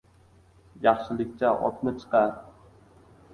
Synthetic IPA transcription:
jɑχʃɪlɪk̚ʲt͡ʃaʔɒ̰t̪nɪt͡ʃʰɨ̥qɑɾ

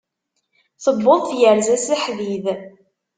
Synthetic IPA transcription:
θəbːoðˤθjəɾzæsiħðið

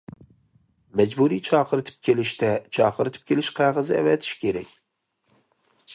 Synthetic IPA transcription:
mæd͡ʒbuɾijt͡ʃʰɑːqʰɨɾɨt̪ʰɪ̥p̚kʲʰelɪʃt̪ɛt͡ʃʰɑːqʰɨɾɨt̪ʰɪ̥p̚kʲʰelɪʃqʰɑʁɨzɪæ̰vɛt̪ʰɪ̥ʃkʲʰeɾɛkʲ

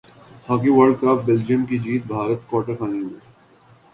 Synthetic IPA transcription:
haːkiʋəɾɖkɾaːpbeld͡ʒijəmkid͡ʒiːt̪̚bʱaːɾət̪kɔːʈəɾkaːnimẽː

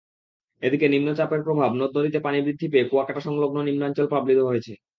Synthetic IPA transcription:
ed̪ikenimnot͡ɕapeɾpɾobʱabnod̪ːoɾit̪epanibɾid̪ʱːipeːpuakaʈaʃɔŋloɡnonimnoaɲt͡ɕolpɾablit̪oɦojet͡ɕʰe

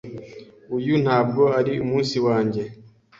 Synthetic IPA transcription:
ujun̥haːb̚ɡo̞aɾiumuːnsiwaːɲɟe̞

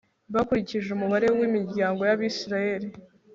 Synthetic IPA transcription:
βakuɾiciʒeumuβaɾe̞wimiɾɟaːŋɡo̞jaβisɾaje̞ɾi

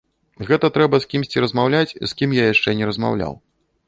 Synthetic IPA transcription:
ɣɛt̪ɐt̪ɾɛbɐskʲimsʲt͡sʲiɾɐzmawlʲat͡sʲḭskʲimjajaʂt͡ʂɛnʲɛɾɐzma̰wlʲa̰w

